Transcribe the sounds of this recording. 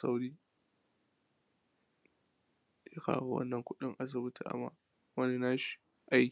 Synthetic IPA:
sa̰˦wɾiː˦˨ | ja˦ka̰ː˦wo˦wɐ̰˦nːɐ˨ŋkʷʊ˦ɗɪ˦ŋʔa˦s̬ɪ˨bʊ˦tɪ˨ʔa̰˦ma̰ː˨ | wɐ˦ni˨naː˦ʃi̥˨ | ʔa˦jkʲ

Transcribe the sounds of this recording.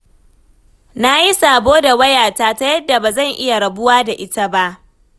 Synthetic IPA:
na˦ji˦saː˨boː˦da˨wɐ˦jaː˨taː˦ta˦jɐ˦dːa˨baː˨zɐ˦˨ŋʔɪ˦ja˨ɽɐ˨bʊ˦waː˦da˨ʔɪ˦ta˦ba˦ʔ

